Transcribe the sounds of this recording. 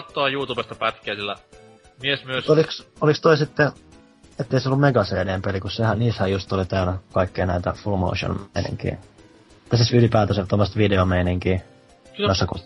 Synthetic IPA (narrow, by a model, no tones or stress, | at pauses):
t̪ːoɑjuːt̪uːbest̪ɑpæt̪keæsilːæ̰ | miesmyøest̪ːoliksolikst̪oisit̪ːe | et̪ːeiseolːumeɡ̥ɑseːneːmpelikussehæniːshæjust̪olit̪æːnækɑikːeinæit̪æfulmo̰uʃo̰nminḭŋkḭː | t̪æsesylipæːt̪æset̪omːɑst̪ʋideomeiniŋkiː | nosːɑku